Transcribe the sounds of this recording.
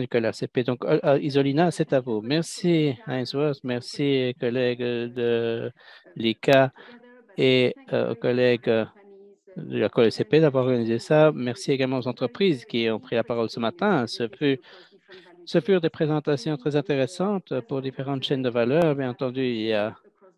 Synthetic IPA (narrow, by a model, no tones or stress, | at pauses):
d̪ykɔlɛseped̪ɔ̃kizɔlinasɛt̪avumɛʁsianswɛtmɛʁsiokɔlɛɡd̪ə | lika | ḛo̰kɔlɛɡ | d̪ə̰la̰koøseped̪avwaʁɔʁɡanizesamɛʁsieɡalmɑ̃ozɑ̃t̪χəpχiːzkʲiɔ̃pχilapaʁɔlsəmat̪ɛ̃səfy | səfyʁd̪epχezɑ̃t̪asjɔ̃t̪χɛzɛ̃t̪eʁesɑ̃t̪puʁd̪ifeʁɑ̃t̪ʃɛnd̪əvalœːʁbjɛ̃nɑ̃t̪ɑ̃d̪yilja